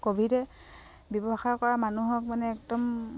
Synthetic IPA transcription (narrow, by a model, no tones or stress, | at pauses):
kobʱidɛ | bjɔbɔxakɔɹamanuɦɔk̚manɛːk̚dɔm